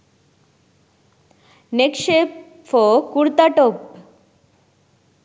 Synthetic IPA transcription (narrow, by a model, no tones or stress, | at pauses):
nekʃep | fɔkuɾt̪aʈop